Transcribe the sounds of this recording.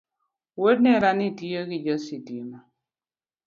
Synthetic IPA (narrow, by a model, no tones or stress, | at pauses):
wod̚nɛɾanitioɡɪd͡ʒɔsidima